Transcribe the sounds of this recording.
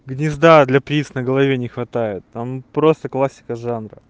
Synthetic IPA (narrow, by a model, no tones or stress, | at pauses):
ɡnʲɪzd̪ad̪lʲɐpɾʲit̪snəɡəlˠɐvʲenʲɪxvɐt̪ajɪt̪ːampɾo̞st̪əklˠasʲːɪ̥kəʐanɾə̰